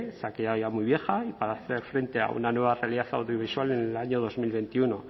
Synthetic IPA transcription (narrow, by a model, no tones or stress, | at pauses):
sakeaoʝamujβje̞xaipaɾaθe̞ɾfɾe̞nt̪e̞a̰ṵnanweβ̞arealiðaθa̰wðjoβ̞iswalenelaɲo̞ð̞o̞zmilβe̞nt̪iuno̞